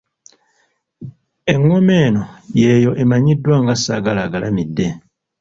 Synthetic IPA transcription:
e̞ŋːome̞ːnojeːjo̞ʔemaɲidːwaŋɡasaɡalaɡalamidːe

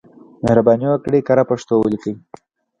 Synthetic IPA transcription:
mehɾabɑniwakɽekaɾapaʂt̪owəlikəwi

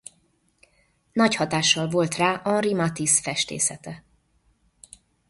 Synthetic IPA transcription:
nɒchɒt̪aːʃːɒlvo̞lt̪raːʔɒnrimɒt̪isfɛʃt̪ḛːsɛt̪ɛ

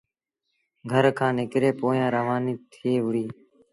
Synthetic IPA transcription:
ɡʱəɾkʰãːnɪkɾeːpoːjãːɾəʋaːniːt̪ʰeːʋʊɾiː

